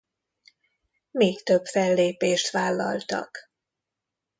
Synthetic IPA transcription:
meːkt̪øbfɛlːeːpeːʃt̪ʋaːlːɒ̰lt̪ɒ̰k

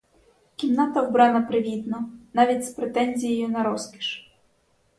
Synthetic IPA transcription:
kʲimnat̪ɐwbɾɑnɐpɾɪʋʲid̪nɔnɑʋʲitʲspɾet̪ɛnʲzʲijɛjʊnɐɾɔskʲi̥ʃ

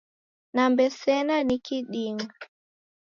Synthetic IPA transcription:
nambɛsɛnanikiɗiŋa

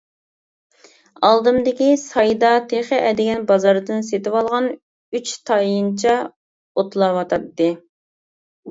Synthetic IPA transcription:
ɑlˠd̪ɨmd̪ɪkʲisɑjd̪ɑt̪ʰeχɪʔɛd̪ɪɡʲɛnbɑzɑɾd̪ɨnset̪ɪwɑlˠʁɑn | yt͡ʃt̪ʰɑjint͡ʃʰɛ | ot̪lˠɑwɑt̪ʰɑt̪ːɨ

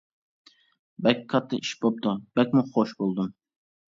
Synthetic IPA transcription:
bɛkʲkʰːɑt̪ʰːɨiʃbop̚t̪ubɛk̚ʲmuχoʃbolˠd̪um

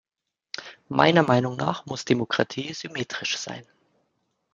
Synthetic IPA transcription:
mʔa̰ɪnɐmaɪnʊŋna̰ːχmʊsd̥emokʁ̥atʰiːzymeːtʁ̥ɪʃz̥a̰ɪn

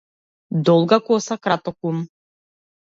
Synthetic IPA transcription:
d̪ɔlˠɡakɔsakɾat̪ɔkum

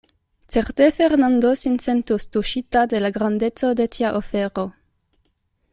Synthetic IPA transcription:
t̪t͡seʁt̪efeʁnand̪osinsent̪ust̪uʃit̪ad̪elaɡɾand̪ett͡sod̪et̪ʰjaʔofeʁo

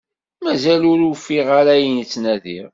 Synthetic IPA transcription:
mæzælʊɾufiʁaɾæjənt͡sːnæðḭʁ

